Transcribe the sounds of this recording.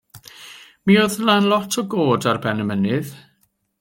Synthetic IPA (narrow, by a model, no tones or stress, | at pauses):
mioðnanlˠɔtʰɔɡoːdarbɛnəmənɪð